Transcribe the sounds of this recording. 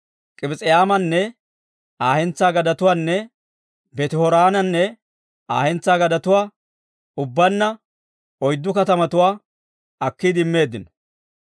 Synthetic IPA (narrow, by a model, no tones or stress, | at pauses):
kʼɪbɪt͡sʼɛjaːmɐnːɛ | aːhɛnt͡sːaːɡɐd̪ɐt̪ʊwaːnːɛ | bɛt̪ɪhɔɾaːnɐnːɛ | aːhɛnt͡sːaːɡɐd̪ɐt̪ʊwaː | ʊbːɐnːɐ | ɔjd̪ːʊkɐt̪ɐmɐt̪ʊwaː | ɐkːid̪ɪmːe̞ːd̪ːɪnɔ̥